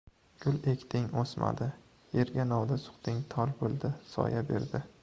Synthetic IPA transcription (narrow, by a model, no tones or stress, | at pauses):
ɡ̥ʲʊlekʲt̪ʰɪŋosma̰d̪ɪ | jeɾɡʲanɒwd̪asʊ̥qt̪ɪŋt̪ʰɒlbolˠd̪ɪsɒ̰jabe̞̰ɾd̪ɪ